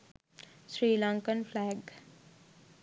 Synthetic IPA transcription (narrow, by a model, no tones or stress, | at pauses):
sɾiːlaŋkənpʰlaːɡ